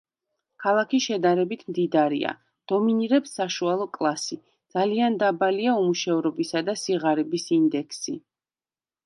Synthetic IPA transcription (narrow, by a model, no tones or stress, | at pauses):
kʰalˠakʰiʃɛd̪aɾɛbit̪ʰmd̪id̪aɾḭa̰ | d̪̥ɔminiɾɛpsːaʃualˠɔkʼlˠasi | d̪̥z̥aliand̪abaliaumuʃɛvɾɔbisad̪asiʁaɾɛbisind̪ɛkʰsi